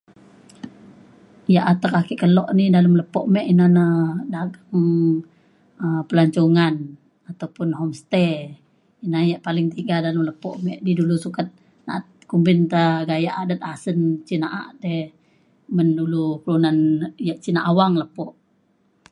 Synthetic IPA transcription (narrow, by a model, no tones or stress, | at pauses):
jaʔat̪əkakiʔkəlɔʔnidaləmləpɔʔmɛʔinanadaɡaŋ | əmpəlaɲt͡ʃuŋan | at̪awpʊnɦɔmst̪ɛ | inajaʔpalɪŋt̪iɡadaləmləpɔʔmɛʔdidulusukat̪̚ | na̰ʔt̪̚kumbɪnt̪aɡajaʔadət̪̚asənt͡ʃinaʔaʔdɛ | məndulukəlunanjaʔt͡ʃinaʔawaŋləpɔʔ